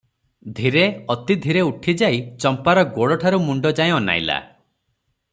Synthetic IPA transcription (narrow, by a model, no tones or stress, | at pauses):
d̪ʱiɾeɔt̪id̪ʱiɾeuʈʰid͡ʒajt͡ʃɔmpaɾɔɡoɽɔʈʰaɾumuɳɖɔd͡ʒaẽɔna̰jla̰